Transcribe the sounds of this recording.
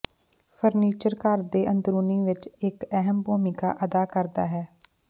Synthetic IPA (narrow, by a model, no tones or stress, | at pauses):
pʰəɾniːt͡ʃəɾkaɾd̪eːʔənd̪ɾuːniːʋɪt͡ʃɪkɛɦəmbuːmɪka̰ːʔəd̪aːkəɾd̪a̰ːɦɛː